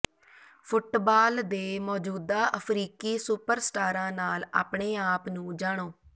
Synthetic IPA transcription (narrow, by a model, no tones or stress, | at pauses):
pʰʊʈbaːld̪eːmɔːd͡ʒuːd̪aːʔəpʰɾiːkiːsʊpəɾsʈaːɾãːnaːla̰ːpɳeːaːpnũːd͡ʒaːɽ̃oː